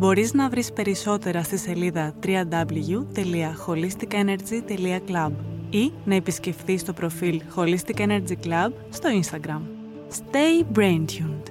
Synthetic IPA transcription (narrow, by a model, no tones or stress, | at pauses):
bo̞ɾiznɐvɾispe̞ɾiso̞t̪e̞ɾɐst̪ise̞liðɐt̪ɾiɐd̪ɐblʝut̪e̞liɐxo̞list̪ikɐene̞ɾd͡zit̪e̞liɐklɐbinɐe̞pisce̞fθist̪o̞pɾo̞filxo̞list̪ikɐene̞ɾd͡ʑiklɐb | st̪o̞inst̪ɐɡɾɐm | st̪e̞jbɾend̪çund̪̥